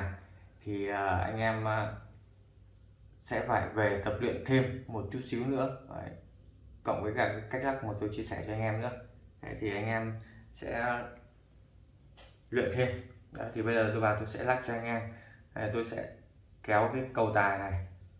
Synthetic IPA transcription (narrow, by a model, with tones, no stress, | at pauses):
t̪ʰi˨˩ʔəː˨˩ʔa̰˧jŋ̟ʔɛ˧mə˨˩ | sɛ̰˧˥faː˧˩jve˨˩t̪ə˨˩p̚lwḭ˧˨ənt̪ʰe˧mːo˨˩t̚t͡ɕu˦˥t̚si˨˦wnɨ̰˧˥əaː˨˩ | kə̰˧˩˨wŋ͡mvəː˨˦jkaː˧˩kaː˨˦jka˦˥k̚la˦˥maː˨˩t̪o˧jt͡ɕi˧əsɛ˧˩t͡ɕɔ˧ʔa˧jŋ̟ʔɛː˧mnɨ̰˧˥əʔə̰˨˦jt̪ʰi˨˩ʔa˧jŋ̟ʔɛ˧msɛ̰˧˥˧ | lwḭ˧˨ənt̪ʰe˧mɗɔ̰˨˦t̪ʰi˨˩ɓə˧jzəː˨˩t̪ɨ˧vaː˨˩t̪o˧jsɛ̰˧˥laː˦˥p̚t͡ɕɔ˧ʔa˧jŋ̟ʔɛ˧ma˨˩t̪o˧jsɛ̰˧˥ | kɛ˨˦wkaː˨˦jkə˧wt̪aː˨˩jna˨˩j